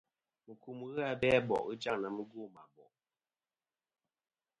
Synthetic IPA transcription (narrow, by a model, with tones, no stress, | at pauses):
mə˨ku˨m˨ɣɨ˦a˨bɛ˦bɔ̰˨ʔɣə˦d͡ʒa˦ŋna˨mə˦ɡu˦˨ma˨bɔ̰˨ʔ